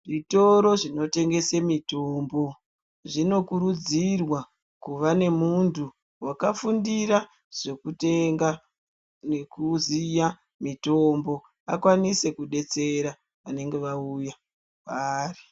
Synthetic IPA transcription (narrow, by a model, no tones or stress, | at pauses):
ʐito̞ɾo̞ʐino̞te̞ŋɡe̞semito̞mbo̞ | ʐino̞kuɾud͡zirwa | kuʋane̞muntʰu | wakafundiɾa | ʐ̥e̞kuteŋɡa | nekuzija | mito̞mbo̞ | akwanise̞kuɗe̞t͡se̞ɾa | ʋane̞ŋɡe̞ʋauja | kari